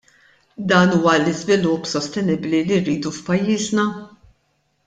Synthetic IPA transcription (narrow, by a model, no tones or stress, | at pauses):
d̪ɐːnuːwɐlɪzvɪlʊpːsɔst̪ɛnɪbliliɾːiːd̪ufpɐjːiːznɐ